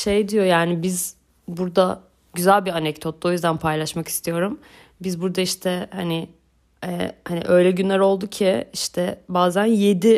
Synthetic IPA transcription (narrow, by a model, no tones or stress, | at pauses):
ʃe̞jd̪ijo̞jaːnibiz | buɾd̪a | ɟyzælʲbianɛcd̪ʰo̞t̪̚ːo̞jyzd̪ænpʰajlˠaʃmaki̥st̪ʰijo̞ɾum | bizbuɾd̪aiʃt̪ʰɛhanɪ | ɛ̰haniʔø̞jlʲɛɟynlʲæɾo̞lˠd̪ucʰiiʃt̪ʰɛbaːzænje̞d̪i